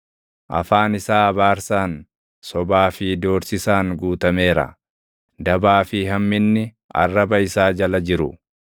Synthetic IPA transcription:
ʔɐ̰faːnɪsaːɐbaːɾsaːn | sɔbaːfid̪o̞ːɾsɪsaːŋɡuːt̪ɐme̞ːɾɐ̰ | d̪ɐbaːfɪɦɐmːɪnːɪ | ɐ̰rːɐbɐɪsaːd͡ʒɐlɐd͡ʒɪɾʊ

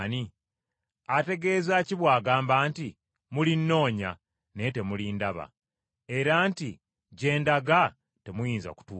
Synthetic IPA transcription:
ni | ate̞ɡe̞ːzaciβwaːɡaːmbaːnti | mulinːo̞ːɲa̰ | nete̞mulindaβa̰ | e̞ɾaːnti | ɟe̞ːndaɡa | te̞mujiːnza̰ku̥tuː

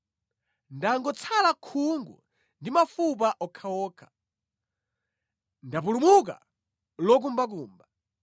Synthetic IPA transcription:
ndaŋɡɔt͡sʰalakʰuŋɡṵ | ndimafup̬aʔɔkʰawɔːkʰḁ | ndap̬ulumuk̬a̰ | lɔk̬umbak̬uːmba

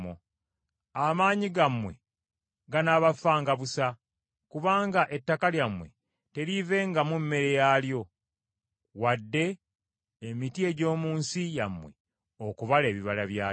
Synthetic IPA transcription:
o̰ | amaːɲiɡamwe̞̰ | ɡanaβafːaːŋɡaβusa | kuβaːŋɡaʔe̞tːakaljamwe̞̰ | te̞ɾive̞ŋɡamumːe̞ɾe̞jaːljo̞ | wadːe̞ː | mitie̞ɟo̞ːmuːnsijamːwe | okuβale̞ːβiβalaβjaː

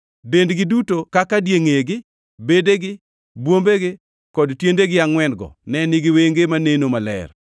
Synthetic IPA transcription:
dendɡɪdutokakadjeŋeɡɪ | bedeɡɪ | bwombeɡɪ | kɔdtjendeɡɪaŋwɛnɡɔ̰nɛnɪɡɪweŋɡemanenomalɛ̰r

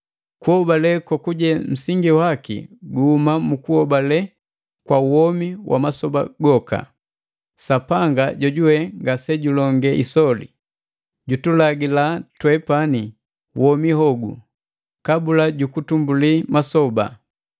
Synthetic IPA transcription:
kuhɔbalɛkwakuɟɛm̩siŋɡiwakḭɡuhumamukuhɔbalɛ | kwauɔmiwʔa̰masɔba̰ɡɔka̰ | sapaŋɡaɟɔɟuwɛŋɡasɛɟulɔŋɡɛʔisɔlḭ | ɟutulaɡilatwɛpani | wɔmihɔɡṵ | kabulaɟukutumbulimasɔba̰

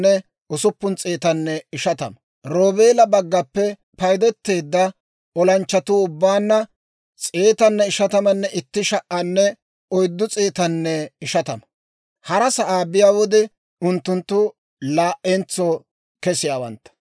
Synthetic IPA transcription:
ɛ | ʊsʊpːʊnt͡sʼeːt̪ɐnːɛɪʃɐt̪ɐ̰mɐ | ɾoːbe̞ːlɐbɐɡːɐpːɛ | pɐjd̪ɛt̪ːe̞ːd̪ːɐ | ɔlɐnt͡ʃːɐt̪ʊʊbːaːnːɐ | t͡sʼeːt̪ɐnːɛɪʃɐt̪ɐmɐnːɛʔɪt̪ːɪʃɐʔːɐnːɛ | ɔjd̪ːʊt͡sʼeːt̪ɐnːɛɪʃɐt̪ɐmɐ | hɐɾɐsɐʔaːbɪjaːwɔd̪ɛ | ʊnt̪ːʊnt̪ːʊ | laːʔɛnt͡sːo | kɛsɪjaːwɐ̰nt̪ːɐ̥

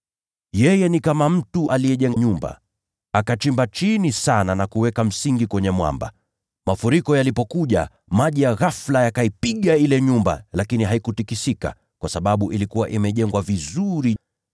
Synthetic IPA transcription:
jɛjɛnikamam̩tuʔalijɛʄɛŋɲumba̰ | akat͡ʃimbat͡ʃinisananakuwɛkam̩siŋɡikwɛɲɛmwa̰mba̰ | mafuɾikɔjalipɔkuʄa̰ | maʄijaɣaflajakaipiɠailɛɲumba̰lakiniɦaikutikisika̰ | kwasaɓaɓuʔilikuwaʔimɛʄɛŋɡwavizuɾi

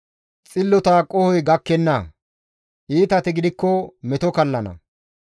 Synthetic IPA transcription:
t͡sʼɪlːɔt̪akʼɔhɔjɡɐkːɛnːɐ | ʔiːt̪ɐt̪ɪɡɪd̪ɪkːɔmɛt̪ɔkɐlːɐnɐ̰

